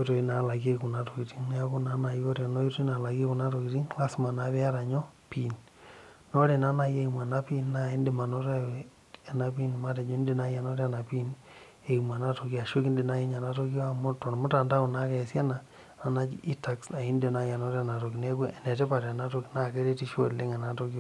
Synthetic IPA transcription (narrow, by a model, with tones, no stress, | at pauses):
jo˦to˨i˦na˨la˨ɡe˦ku˨na˦to˨ki˨ti˦ŋn˦a˦ku˦na˦na˨jo˦ɾa˨no˦jo˦to˦i˦na˨la˨ɡe˦ku˨na˦to˨ki˨ti˦ŋla˦sma˨na˨βɛ˦a˦ɾa˨ɲɔ˦pi˦˨n | no˦ɾe˨na˦na˦je˦i˨ma˨na˦pi˦nːa˦˨i˦ndi˨ma˨no˦ɾa˦ | a˨na˦pi˦n˨ma˦te˨d͡ʒu˦ndi˦˨na˦ja˨no˦ɾa˨na˨pi˦n | e˨ima˨na˦to˨ki˦a˨ʃe˦ki˦ndi˨na˦i˦ɲa˨na˦to˦ki˦a˦m˦to˨ɾmʊ˦ta˨nda˦u˨na˦ke˨sja˦na˨ | na˨na˦t͡ʃi˦ta˨ksa˨i˦nde˨na˦ja˨no˦ɾa˨na˨to˨ki˨ne˦ke˦ɛ˨nɛ˨tɛ˦pa˨ɾa˨na˦to˦ki˦na˦ke˦ɾe˦ti˦ʃo˦le˦ŋɛ˨na˨to˦ki˦o˦